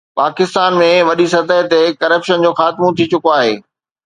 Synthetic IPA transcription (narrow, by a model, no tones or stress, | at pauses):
paːkɪst̪aːnmẽʋɐɗisɐt̪əɦt̪ekɐɾəpʃənd͡ʑoːxaːt̪ɪmõt̪ʰit͡ɕʊkoaːɦḛː